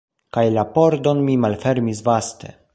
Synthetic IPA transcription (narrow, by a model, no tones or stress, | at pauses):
kajlapo̞ɾd̪o̞nmimalfe̞ɾmisvaste̞̰